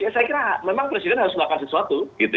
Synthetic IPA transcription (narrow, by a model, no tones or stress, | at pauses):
jasajakiɾamemaŋpɾesidɛnɦaɾʊsməlakasəsuat̪uɡit̪u